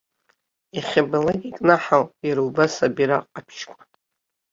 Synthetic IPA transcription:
iχʲabalaɡʲʼikʼnaħaljaɾaubasabiɾaqʼapʰʃkʷʼḁ

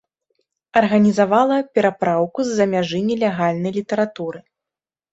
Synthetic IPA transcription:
ɐrɣɐnʲizavalˠɐpʲɛɾapɾawkuzːɐmʲaʐɨnʲilʲɛɣalʲnɐjlʲit̪ɐɾat̪uɾɨ

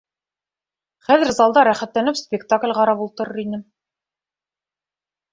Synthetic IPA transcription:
χæðɘ̆ɾzɑlˠd̪ɑɾæχæt̪lænɘpspʲɪkt̪aklʲʁɑɾɑpulˠt̪ɤ̆ɾɤ̆ɾinɘ

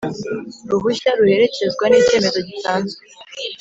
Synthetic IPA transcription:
ɾuɦuçaɾuhe̞ɾe̞ce̞zɡwanice̞ːme̞zo̞ɟitaːnze

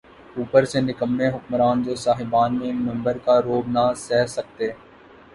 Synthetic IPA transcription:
uːpəɾsenɪkəmːeɦʊkmɾaːnd͡ʒoːsaːɦɪbaːnmẽmɪ̃mbəɾkaɾoːbnasɛːsək̚t̪eː

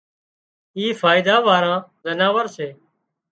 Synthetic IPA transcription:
iːfaːɪd̪aːʋaːɾãːzənaːʋəɾseː

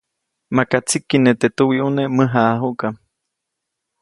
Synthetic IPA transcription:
makat͡sikːinet̪et̪uwiʔuneməɦaʔɦuʔka

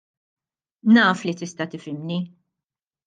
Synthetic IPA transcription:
nɐːflit̪ɪst̪ɐt̪ɪfɪmni

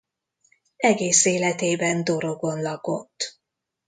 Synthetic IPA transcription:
ɛɡeːseːlɛt̪eːbɛnd̪o̞ɾo̞ɡo̞nlɒko̞t̪ː

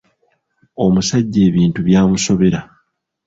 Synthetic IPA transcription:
o̞musaɟːe̞ːβiːntuβjaːmuso̞βe̞ɾa

